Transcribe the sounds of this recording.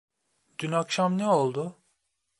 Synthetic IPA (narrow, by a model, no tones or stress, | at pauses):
ɟ̪̥ynakʃamnɛo̞lˠd̪ʊ